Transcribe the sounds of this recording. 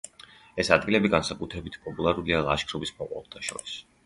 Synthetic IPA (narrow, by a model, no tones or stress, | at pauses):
ɛsad̪̚ɡilɛbiɡansakʼut̪ʰɾɛbit̪ʰpʼɔpʼulˠaɾulialˠa̰ʃkʰɾɔbismɔqʼwa̰lˠt̪ʰaʃɔ̰ɾis